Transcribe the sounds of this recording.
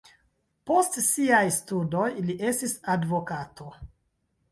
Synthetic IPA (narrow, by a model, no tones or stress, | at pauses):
po̞stsiajstudo̞jliʔe̞stisadvo̞kato̞